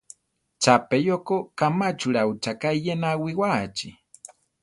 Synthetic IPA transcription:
t͡ʃapejokokamat͡ʃuɾaut͡ʃakaijenawiwat͡ʃi

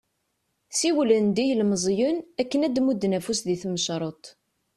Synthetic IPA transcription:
siwlənd̪ijlməzˤjʊnækːənæd̪mud̪ːnæfusðiθməʃɾˤot̪ˤ

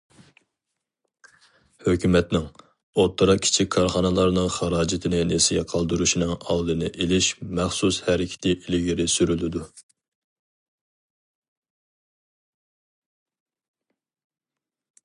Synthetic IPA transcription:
høkʲymɛt̪nɪŋ | ot̪ʰːɨɾɑkʲʰi̥t͡ʃʰikʲʰːɑɾχɑnɨlˠɑɾnɨŋχɑɾɑːd͡ʒɪt̪ʰɪnɪnesijɛqʰɑlˠd̪uɾuʃinɨŋɑ̰wˠd̪ɨnɨʔelɪʃmæχsushɛɾɪkʲʰɪ̥t̪ʰɪʔilɪɡʲiɾɪsyɾylɪd̪u

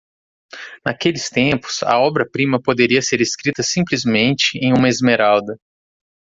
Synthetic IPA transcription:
nakelɪst̪ẽpʊ̥sɐ̰ɔbɾɐpɾĩmɐpod̪eɾiɐseɾeskɾit̪ɐsĩplizmẽnt͡ʃɪẽj̃ũmɐezmeɾald̪ɐ

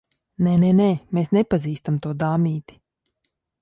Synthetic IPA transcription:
nɛnenɛːmeːsnepaziːst̪amt̪uɔd̪aːmiːt̪i̥

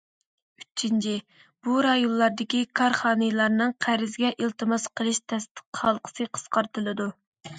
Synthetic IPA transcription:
yt͡ʃʰːint͡ʃʰi | b̥uɾɑjonˠːɑɾd̪ɪkʲikʰɑɾχɑːnɨlˠɑɾnɨŋqʰæɾɪzɡʲɛʔilt̪ɨmɑsqəlˠɨʃt̪ʰɛst̪ə̥qːɑlˠqʰə̥sɨqʰə̥sqɑɾt̪ɨlˠɨd̪u

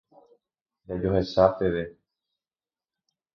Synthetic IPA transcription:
ɲad͡ʒoɦe̞sap̪e̞ʋe

